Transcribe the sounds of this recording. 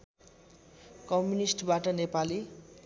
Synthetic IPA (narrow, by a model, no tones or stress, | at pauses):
kʌmjunisʈbaʈʌnepali